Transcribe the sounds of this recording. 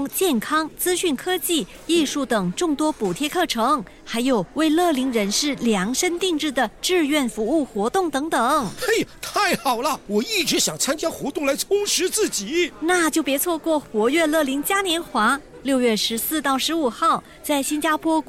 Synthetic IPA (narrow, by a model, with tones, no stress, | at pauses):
ŋt͡ɕjɛ˥˩nkʰɑ˥ŋt͡sɹ̩˥ɕy˥˩nkʰɤ˥t͡ɕi˥˩ | i˥˧ʂu˥˩t̪ɤ˨˩ŋʈ͡ʂʊ˥˩ŋt̪wɔ˥pu˨˩t̪ʰjɛ˥˧kʰɤ˥˩ʈ͡ʂʰɤ˧˥ŋ | xa˧˥ɪjo˨˩ʊwe˥˧ɪlɤ˥˩li˧˥ŋɻə˧˥nʂɻ̩˥˩ljɑ˧˥ŋʂə˥nt̪i˥˧ŋʈ͡ʂɻ̩˥˩d̪ə˩ʈ͡ʂɻ̩˥˧ɥɛ˥˩nfu˧˥u˥˩xwɔ˧˥t̪ʊ˥˩ŋt̪ɤ˧˥ŋt̪ɤ˨˩˦ŋe˥˩ɪt̪ʰa˥˩ɪxɑ˨˩ʊlə˦wɔ˨˩i˥˩ʈ͡ʂɻ̩˧˥ɕjɑ˨˩ŋt͡sʰa˥nt͡ɕja˥xwɔ˧˥t̪ʊ˥˩ŋla˧˥ɪt͡sʰʊ˥ŋʂɻ̩˧˥t͡sɹ̩˥˩t͡ɕi˨˩˦na˥˩t͡ɕjo˥˩ʊpjɛ˧˥t͡sʰwɔ˥˧kwɔ˥˩xwɔ˧˥ɥɛ˥˧lɤ˥˩li˧˥ŋt͡ɕja˥njɛ˧˥nxwa˧˥ | ljo˥˧ʊɥɛ˥˩ʂɻ̩˧˥sɹ̩˥˧t̪ɑ˥˩ʊʂɻ̩˧˥u˨˩xɑ˥˩ʊ | t͡sa˥˩ɪɕi˥nt͡ɕja˥pʰwɔ˥